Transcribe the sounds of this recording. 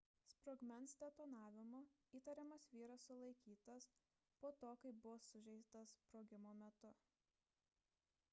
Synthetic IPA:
spɾɔɡmʲɛnsd̪ʲɛt̪oːnɑːʋʲɪmo | iːt̪ɐɾʲɛmɐsʋʲiːɾɐsːʊlˠɐɪkʲiːt̪ɐs | poːt̪oːkɐɪpbʊʋoːsʊʒʲɛɪt̪ɐspɾoːɡʲɪmoːmʲɛt̪ʊ

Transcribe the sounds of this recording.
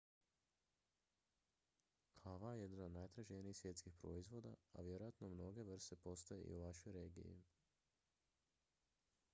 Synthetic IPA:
kʰaʋajed̪inod̪najt̪ɾaʒenijixsʋje̞t̪skixpɾo̞̰izʋo̞ːd̪a̰a̰ʋjeɾojat̪nomno̞ɡe̞ʋr̩st̪e̞po̞st̪aje̞ʔḭuʋaʃojɾeːɡḭjḭ

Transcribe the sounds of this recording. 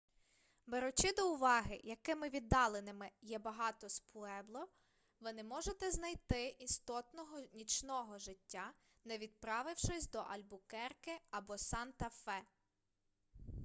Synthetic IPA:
beɾʊt͡ʃɪd̪ɔʊʋɑɦɪjɐkɪmɪʋʲid̪ːɑlˠenɪmɪjɛbɐɦɑt̪ɔspʊɛblˠɔ | ʋɪnɛmɔʒet̪ɛznɐjt̪ɪist̪ɔt̪nɔɦɔnʲit͡ʃnɔɦɔʒɪtʲːa | nɛʋʲid̪̚pɾɑʋɪwʃɔsʲd̪ɔʔɐlʲbʊkɛrkɪɐbɔsɑnt̪ɐfɛ

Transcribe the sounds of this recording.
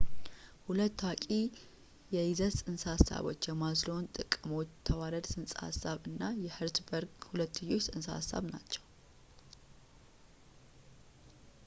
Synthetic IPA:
hulət̪ːwakʼi | jɛizət̪sʼɨnshasa̰βo̞̰t͡ʃːjɛmazlo̞nt̪ʼɨkʼɨmo̞t͡ʃːt̪ʰəwaɾəd̪sʼɨnsʼha̰sːaβɨnːajɛhɨɾt̪bəɾɡhulət̪ːɨjːo̞t͡ʃːsʼɨnsa̰sa̰βna̰t͡ʃːɛw

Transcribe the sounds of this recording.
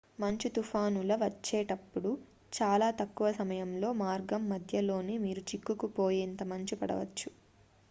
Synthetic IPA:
mɐɲt͡ʃit̪ufʰaːnulɐʋɐt͡ʃːeːʈɐpːuɽu | t͡ʃaːlaːt̪ɐkːuʋɐsɐmɐjɐmlo̞ːmaːɾɡɐmːɐd̪ʱjɐlo̞ːneːmiːɾut͡ʃikːukupo̞ːjeːnt̪ɐmɐɲt͡ʃipɐɽɐ̰ʋɐ̰t͡ʃːu̥

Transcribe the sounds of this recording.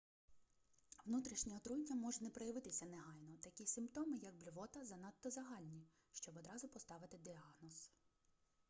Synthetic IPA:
ʋnut̪ɾʲiʃnʲɛɔt̪ɾunʲːɐmɔʒɛnɛpɾɔjɐʋɪt̪ɪsʲɐneɦɑjnɔt̪ɐkʲisʲɪmpt̪ɔmɪjɐɡ̚blʲʊʋɔt̪ɐzɐnɑt̪ːɔzɐɦɑlʲnʲi | ʃt͡ʃɔbɔd̪ɾɑzʊpɔst̪ɑʋɪt̪ɪd̪ʲiɑɦnɔs

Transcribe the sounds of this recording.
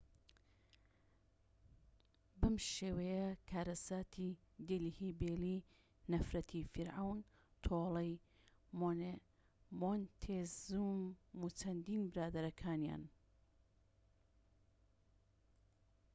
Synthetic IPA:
bɨmʃeːwɐjɐkʰaːɾɐsaːt̪ʰi | d̪elihibeːli | nɐfɾɐt̪ʰifiɾʕawn | t̪ʰolɐj | o | mont̪ʰezumut͡ʃʰɐnd̪iːnbɨɾaːd̪ɐɾɐkʰaːnja̰ːn

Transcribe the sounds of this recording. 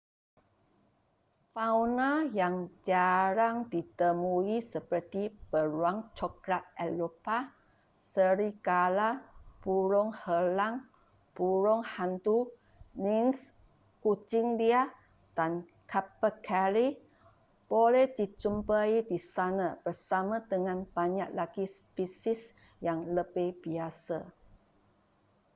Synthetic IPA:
fawnajaŋd͡ʒaɾaŋdit̪əmuisəpərt̪ib̥əɾuaŋt͡ʃɔkɾat̪̚ɛlopa | səɾikalab̥uɾʊŋhəlaŋ | b̥uɾʊŋhant̪u | lins | kut͡ʃɪŋdia | d̥an | kʰapəkʰali | b̥olɛhdit͡ʃumpaidisanab̥ərsamãdəŋãnb̥aɲaʔ̚laɡispisis | jaŋləbɪhbiasa

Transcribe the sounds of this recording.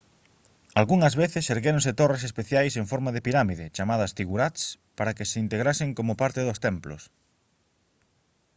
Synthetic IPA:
alɣuŋɐzβeθɪseɾɣeɾõnset̪ores̬espeθjajseŋfɔɾmaðɪpiɾamiðɪt͡ʃamaðɐst̪iɣuɾat̪s | paɾɐkeseint̪eɣ̞ɾasɪŋkomʊpaɾt̪eðʊst̪ɛmplo̰s

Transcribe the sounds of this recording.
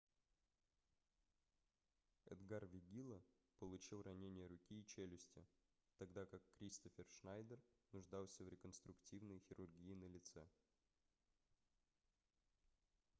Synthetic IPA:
ɛ̰d̪ɡarvʲɪɡʲilˠə | pəlˠʊt͡ɕilˠrɐnʲenʲɪjəɾʊkʲiːt͡ɕelʲɪsʲtʲɪ | t̪ɐɡd̪akakːɾʲist̪əfʲɪrʂnajd̪ərnʊʐd̪ɑlˠsʲəvɾʲɪkənst̪ɾʊktʲivnəjxʲɪɾʊrɡʲijɪnəlʲɪt̪sɛ

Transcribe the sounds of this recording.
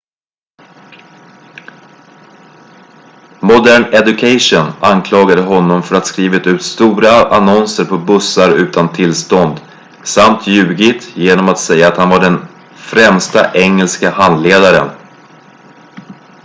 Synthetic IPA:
mʊd̪æːɳɛd̪ɵkʰaʂʊnankʰlɑːɡad̪əɦɔnːɔmfœɾat̪skɾiːvɪt̪ʉ̟ːt̪st̪uːɾaʔanɔnsəɾpʰɔbɵsaɾʉ̟ːt̪ant̪ʰɪlst̪ɔnd̪ | samt̪ʰjʉ̟ːɡɪt̪jeːnɔmat̪sɛjːaːt̪hanvaɖɛn | fɾɛmst̪a̰ʔɛŋːɛlskahand̪leːd̪aɾə̰n

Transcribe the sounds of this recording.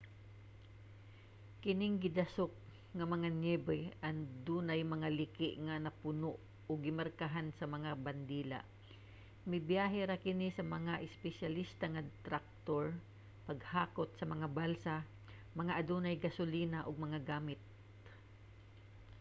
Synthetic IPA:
kɪnɪŋɡɪd̪asok̚ | ŋɐmɐŋanjɛbɪʔaŋd̪uːnajmɐŋalɪkɪʔŋanɐpʊnoʔ | ʊɡːɪmaɾkaɦansɐmɐŋaband̪iːla̰ʔ | mɪjbjaːɦɛɾakɪnisɐmɐŋaʔɪspɛʃjalist̪aŋad̪t̪ɾak̚t̪oɹ | pɐɡhaːkot̪̚sɐmɐŋabalsa | mɐŋaʔad̪uːnajɡɐsʊliːnaʔʊɡ̚mɐŋaɡaːmɪt̪̚

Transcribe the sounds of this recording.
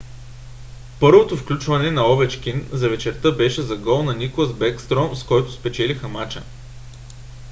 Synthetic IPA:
pɤɾvot̪ofklʲut͡ʃvɐnɛnɐɔvɛt͡ʃk̟inzɐvɛt͡ʃɛɾt̪ɤbɛʃɛzɐɡɔlˠnɐniklˠəzbɛkst̪ɾɔmskɔjt̪ʊspɛt͡ʃɛlixəmat͡ʃə̰

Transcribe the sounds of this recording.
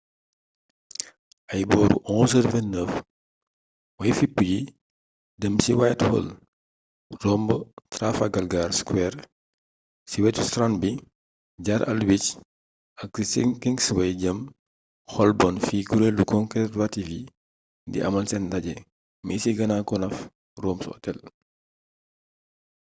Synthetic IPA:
ʔɐjbɔːɾṵʔɔ̃ːs̬əɾvɛnəf | wɐjfipːuɟi | dəmsiwajthɔ̰l | rɔmbətɾafaɡɐlɡaːɾskwɛɾ | siwɛtustɾanbi | ɟaːɾʔɐ̰lwic | ʔɐk̚sisiŋkiŋɡsiwɐjɟɐm | xɔlbɔnfiːkuɾelukɔŋkɾɛtwativi | ndḭʔɐ̰mɐlsɛndɐɟɛ | misiɡɐnakɔnɐf | rɔːmsṵɔ̰tɛl

